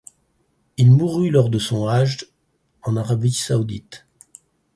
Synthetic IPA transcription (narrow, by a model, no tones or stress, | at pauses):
ilmuʁylɔʁd̪əsɔ̃aʒ | ɑ̃naʁabisaud̪it̪